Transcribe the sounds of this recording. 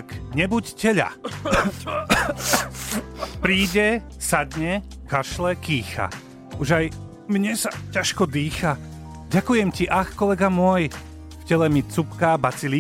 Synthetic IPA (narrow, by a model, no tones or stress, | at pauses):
kɲɛbuccɛʎa̰ | pɾiːɟɛ | sad̪ɲɛ | kaʃlɛkiːxa̰ | uʒaj | mɲɛsacaʃkɔd̪iːxa | ɟakujɛmciʔaxkɔlɛɡamʊɔj | fcɛlɛmit͡supkabat͡sili